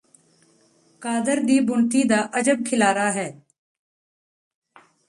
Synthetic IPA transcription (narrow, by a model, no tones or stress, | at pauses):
kaːd̪əɾd̪iːbʊɳt̪iːd̪aːʔəd͡ʒəb̚kʰɪlaːɾaːɦɛː